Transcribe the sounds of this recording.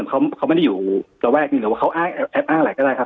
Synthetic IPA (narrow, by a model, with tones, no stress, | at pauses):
kʰa˦˥wkʰa˦˥ma˥˩da˥juː˨˩ɾa˧wɾɛː˥˩k̚ɲiː˧˩lwaː˥˩kʰwʔaː˥˩ŋʔɛ˧ʔɛ˦˥p̚ʔaː˥˩ŋ˧˩a˨˩jkɔ˥˩daː˥˩jkʰa˦˥p̚